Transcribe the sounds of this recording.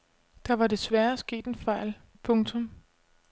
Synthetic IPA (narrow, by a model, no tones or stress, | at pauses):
d̥ɑ̈ʋɑ̈de̝sʋæɐsɡ̥e̝̰ːd̥enfɑ̈ɪ̰l | pʰɔ̽ŋt͡sʰɔ̽m